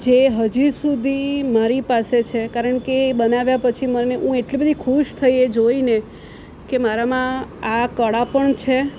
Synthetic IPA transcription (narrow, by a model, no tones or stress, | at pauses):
d͡ʒeɦəd͡ʒisud̪ʱimaɾipaset͡ʃʰekaɾəɳkebənaʋjapət͡ʃʰiməneʔũeʈlibəd̪ʱikʰuʃt̪ʰəijed͡ʒoine | kemaɾamãakəɽapəɳt͡ʃʰe